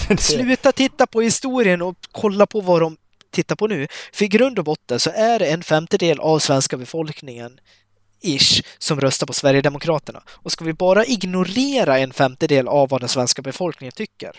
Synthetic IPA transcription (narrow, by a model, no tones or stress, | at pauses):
slʉ̟ːt̪at̪ʰɪt̪ːapʰɔhɪst̪uːɾɪənɔkʰɔlːapʰɔvad̪ɔm | t̪ʰɪt̪ːaɾpʰɔnʉ̟ːfœɾɪɡɾɵnd̪ɔbɔt̪ːənsɔʔæɖɛɛnfɛmt̪əd̪eːlʔavsvɛnskabɛfɔlknɪŋən | ɪʂsɔmɾœst̪aɾpʰɔsvæɾjəd̪ɛmʊkʰɾɑːt̪əɳa̰ɔskavɪbɑːɾaʔɪɡnʊɾeːɾaɛnfɛmt̪əd̪eːlavːad̪ɛnsvɛnskabɛfɔlknɪŋənt̪ʰʏkːə̰ɾ